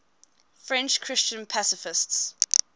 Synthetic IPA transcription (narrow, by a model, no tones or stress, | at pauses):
fɹɛ̃nt͡ʃkʰɹ̥ɪst͡ʃə̃npʰasɪfɪsts